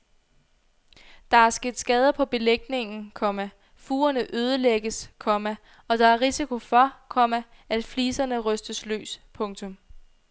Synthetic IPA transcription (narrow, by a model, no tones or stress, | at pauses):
d̥ɑ̈æɐsɡ̥e̝d̥sɡ̥ɛːð̞ˠɐpʰɒ̽b̥e̝leɡ̥ne̝ŋn̩kʰɒ̽mæ | fuːɐnəʔøːð̞ˠəleɡ̥əskʰɒ̽mæ | ɒ̽d̥ɑ̈æɐʁisikʰo̝fɒ̽kʰɒ̽mæ | ʔæd̥fliːsɐnəʁœsd̥əslø̰ːspʰɔ̽ŋt͡sʰɔ̽m